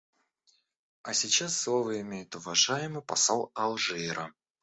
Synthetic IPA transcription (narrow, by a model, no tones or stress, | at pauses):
ɐsʲɪt͡ɕasːlˠovəɪmʲejɪt̪ʊvɐʐajɪmɨjpɐsalˠɐlˠʐɨeɾə